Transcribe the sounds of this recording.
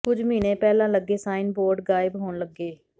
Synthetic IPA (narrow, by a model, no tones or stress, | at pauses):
kʊd͡ʒmiːnẽːpɛːlãːləɡːeːsaːɪnboːɾɖɡaːɪbɦoːnləɡːeː